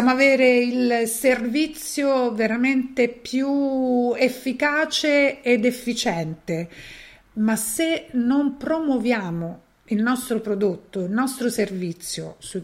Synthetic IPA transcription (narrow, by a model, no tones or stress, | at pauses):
amoaveːɾeilservit̪sːjoveɾament̪epjuefːikaːt͡ʃeːd̪efːit͡ʃɛnt̪e | masːenompɾomwovjaːmo | ilnɔst̪ɾopɾod̪ot̪ːoilnɔst̪ɾoservit̪sːjo̰su